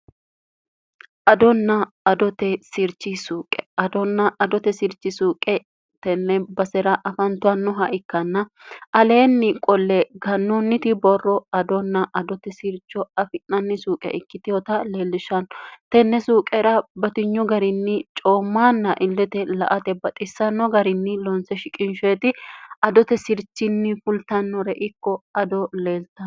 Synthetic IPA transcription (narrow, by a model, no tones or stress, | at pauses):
ʔɐd̪ɔnːɐ | ɐd̪ɔt̪ɛsɪɾt͡ʃːisuːkʼɛɐd̪ɔnːɐɐd̪ɔt̪ɛsɪɾt͡ʃːɪsuːkʼɛ | t̪ɛnːɛbɐsɛɾɐʔɐfɐnt̪ʊɐnːɔɦɐʔɪkːɐnːɐɐle̞ːnːɪkʼɔlːɛɡɐnːɔnːɪt̪ɪbɔrːɔɐd̪ɔnːɐʔɐd̪ɔt̪ɛsɪɾt͡ʃːɔɐfɪnːɐnːɪsuːkʼɛ̰ʔɪkːɪt̪ɪjɔt̪ɐle̞ːlːɪʃɐnɔt̪ɛnːɛsuːkʼɛɾɐbɐt̪ɪɲːɔɡɐɾɪnːɪt͡ʃʼoːmːaːnːɐʔɪlːɛt̪ɛlɐ̰ʔɐt̪ɛbɐt̪ʼɪsːɐnːɔɡɐɾɪnːɪlɔnsɛʃɪkʼɪnʃeːt̪ɪɐd̪ɔt̪ɛsɪɾt͡ʃːɪnːɪfʊlt̪ɐnːɔɾɛʔɪkːɔɐd̪ɔleːlt̪ɐ